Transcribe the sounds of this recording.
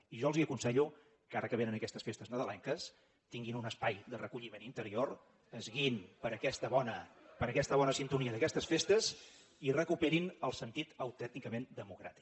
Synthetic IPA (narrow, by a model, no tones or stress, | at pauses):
iʒɔəlˠziəkunsɛʎu | kaɾəkəβenənəkɛst̪əsfest̪əznəðəlɛŋkəs | t̪iŋɡinunəspajd̪ərəkuʎimenint̪əɾioɾ | əzɣinpəɾəkɛst̪əβɔnəpəɾəkɛst̪əβɔnəsint̪uniəðəkɛst̪əsfest̪əz | irəkupɛɾinəlˠsənt̪it̪əwt̪ɛnt̪ikəmend̪əmukɾa̰t̪i̥k